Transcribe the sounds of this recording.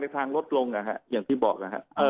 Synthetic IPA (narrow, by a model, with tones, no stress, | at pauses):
a˧jt̪ʰaː˧ŋlo˦˥t̪̚lo˧ŋʔa˨˩kʰa̰˦˥ʔjaː˨˩ŋt̪ʰiː˥˩bɔ̰ː˨˩k̚ʔa˨˩kʰa̰˦˥ʔʔɤː˧